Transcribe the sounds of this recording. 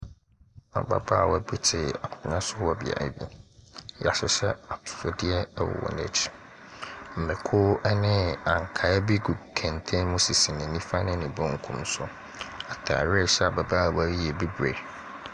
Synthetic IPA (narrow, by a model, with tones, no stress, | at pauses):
ã̰˨ba̰˨ba˦˨wɔ˨bi˦tʰɪ˨a˨kʰʊ̃˨nã˦sʊ˦wɔ˦˨bɪ̰˨a̰˨ḭ˦bḭ˦ja˨ɕɛ˨ɕɛ˦a˨tʰʊ̥˨sɔ˦dɪ˦ɛ˦wɔ̰˨wɔ̰˨nɛ̰˨t͡ɕʰi̥˦ | m̩˨mɛ̃˨kʰʊ˦ɛ˦nɪ̃˦ã˨ŋ˨kʰa˨ɛ˦bi˦ɡu˨kʰɛ̃˨n˨tʰẽ˦mʊ̃˦si˨si˨nɪ̃˨nĩ˦fa˦nɪ̃˦nɪ̃˨bɔ̃˦ŋ̩˨kʰṵ̃˦m˦sʊ˦ | a˨tʰa̰˨ɾɪ˦˨ɕɛ˦a˨ba˨ba˦˨wɾi˦jɛ˨bi˦bɾe˨